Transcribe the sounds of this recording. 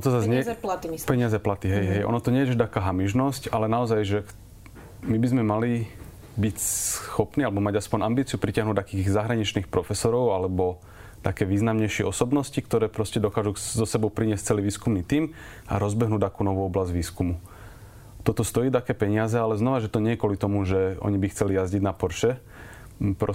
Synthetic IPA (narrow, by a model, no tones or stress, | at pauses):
ɔnɔt̪ɔzazɲpɛɲɪazɛplat̪iɦɛjɦɛjʔɔ̰nɔt̪ɔɲɛjɛʒɛd̪akaːɦamiʒnɔscalɛnaɔzajʒɛ | mibizmɛmali | bicsxɔpniːalɛbɔmaɟaspɔɲambiːt͡siupɾicaɦnuːd̪akiːɣzaɦɾaɲit͡ʃniːxpɾɔfɛsɔɾɔʊalɛbɔ | t̪akɛːʋiːznamɲɛjʃɪɛɔsɔbnɔscikt̪ɔɾɛːpɾɔscɛd̪ɔkaːʒuzɔsɛbɔʊpɾiɲɪɛsct͡sɛliːʋiːskumniːt̪iːm | a̰ɾɔzbɛɦnuːd̪akuːnɔʋuːɔblazɟʋiːskumu | t̪ɔt̪ɔst̪ɔjiːt̪akɛːpɛɲɪazɛalɛznɔʋaʒɛt̪ɔɲɛjɛkʊɔlit̪ɔmuʒɛɔ̰ɲibixt͡sɛlijazɟiɟnapɔɾʃɛ | pɾɔ